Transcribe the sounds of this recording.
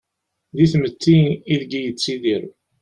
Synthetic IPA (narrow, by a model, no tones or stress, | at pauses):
ðiθmət͡s̪ːiiðɡijət͡sːiðiɾ